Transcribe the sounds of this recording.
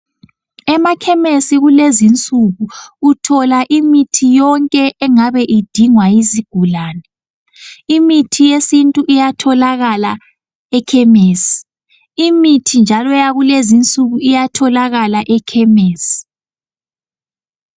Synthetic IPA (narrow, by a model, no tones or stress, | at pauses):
ɛmakʰɛmesiɣulezint͡sʼuɣuutʰɔlaʔimitʰijɔŋkʼɛʔɛŋaβɛʔid̥ʱiŋwajiziɡ̥ʱulaːnɛ | imitʰijesintʼuʔijatʰɔlaɣala | ɛkʰɛmeːsi̥ | imitʰind͡ʒʱalɔjaɣulezint͡sʼuɣuijatʰɔlaɣalaʔɛkʰɛmeːsi̥